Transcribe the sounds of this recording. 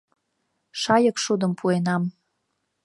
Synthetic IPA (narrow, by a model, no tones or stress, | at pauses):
ʃɑjɤkʃud̪ə̆mpʰuenɑm